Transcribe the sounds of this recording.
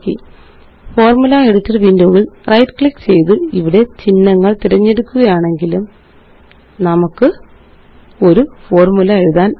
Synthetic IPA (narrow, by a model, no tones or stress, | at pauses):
kːḭ | fo̞ːrmulɐeɽut̪ːɐrʋiːndoːʋilrɐjʈkɭikːt͡ɕe̞jt̪ɨiʋiɽe̞t͡ɕinːɐŋːɐɭt̪iɾɐɲːe̞ɽukːuɣɐjaːɳe̞ŋɡilum | nɐmukːɨ | o̞ɾufo̞ːrmulɐeɻuðaːn